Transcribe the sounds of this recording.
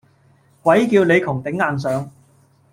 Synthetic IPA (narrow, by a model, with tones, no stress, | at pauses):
kʷɐ˨˥jkiː˧wle˨˧jkʰʊ˨˩ŋt̪ɪ˨˥ŋːaː˨ns̬œː˨˧ŋ